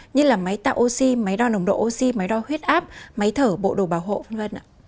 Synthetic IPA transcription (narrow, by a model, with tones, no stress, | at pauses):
ɲɨ˧laː˨˩ma˨˦jt̪a̰ː˧˨ʔo˧si˧mə˨˦jɗɔ˧nə˨˦wŋ͡mɗo̰˧˨ʔo˧si˧ma˨˦jɗɔ˧hwi˦˥ət̚ʔaː˦˥p̚maə˨˦jt̪ʰəː˧˩ɓo̰˧˨ɗo˨˩ɓaː˨˧˩wɦo̰˧˨və˧nvə˧nʔa̰ː˨